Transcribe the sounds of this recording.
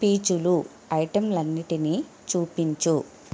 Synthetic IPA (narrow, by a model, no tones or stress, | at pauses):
piːt͡ʃulu | ɐjʈɐmlɐnːiʈini | t͡ʃuːpiɲt͡ʃu